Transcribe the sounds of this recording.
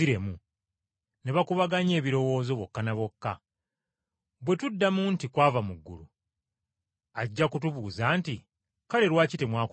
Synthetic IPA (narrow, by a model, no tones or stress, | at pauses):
iɾe̞mu | ne̞βakuβaɡaɲe̞ːβiɾo̞wo̞ːzo̞βo̞kːanaβo̞kːa | bwe̞tudːamuntikwaːvamuɡːṵlu | aɟːakutuβuːzaːnti | kale̞ɾwaːcite̞mwaːk